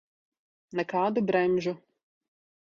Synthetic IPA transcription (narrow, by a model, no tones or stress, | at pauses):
nɐkaːd̪ʊbɾɛmʲʒʊ